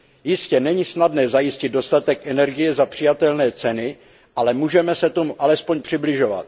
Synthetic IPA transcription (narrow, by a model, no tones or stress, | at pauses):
jɪscɛnɛɲisnadnɛːzajɪscɪd̪̚do̞st̪at̪ɛkʔɛnɛɾɡɪjɛzapr̥ɪjat̪ɛlnɛːt͡sɛnɪ | ʔalɛmuːʒɛmɛsɛt̪o̞muʔalɛspo̞ɲpr̝̥ɪblɪʒo̞va̰t̪̚